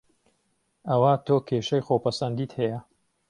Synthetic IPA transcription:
ɐwat̪ʰoːkʰeːʃɐjxoːpɐsɐnd̪iːt̪hɛjɐ

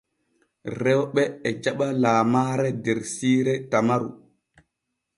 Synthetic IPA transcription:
ɾɛwɓɛːd͡ʒaɓalaːmaːɾɛdɛɾsiːɾɛtamaɾṵ

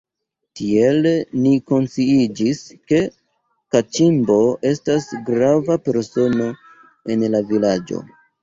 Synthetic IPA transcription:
tie̞lniko̞nsiid͡ʒiske̞ | kat͡ʃimbo̞ʔe̞stasɡɾavape̞ɾso̞no̞ | e̞nlavilad͡ʒo̞̰

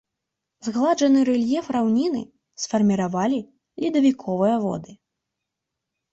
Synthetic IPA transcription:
zɣlˠad͡ʐɐnɨɾɛlʲjɛfrawnʲin̪ɨ̰ | sfɐrmʲiɾavalʲi | lʲid̪ɐvʲikʰɔvɨjɐvɔ̰d̪ɨ

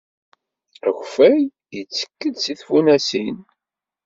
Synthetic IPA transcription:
æçfæj | jət͡sːə̥kːəd̪siθfunæsin

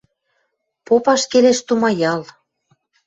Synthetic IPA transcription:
popɑʃkeleʃt̪umɑjɑl

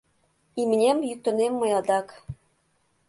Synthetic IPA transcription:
imnʲemjyk̚t̪ɤ̆nemːɤ̆jɑd̪ɑk

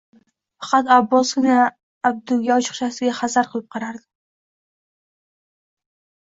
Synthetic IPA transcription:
fɑ̥qɑt̪abːɒskʊna | ab̚d̪ʊɡʲaɒt͡ʃʰɨ̥χʃasɪɡʲaχazaɾqʰɨlˠɪp̚qʰɑɾaɾd̪ɪ

